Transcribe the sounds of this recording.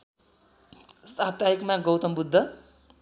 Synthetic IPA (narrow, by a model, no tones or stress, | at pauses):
sab̚t̪aikmaɡʌwt̪ʌmbud̪ʱːʌ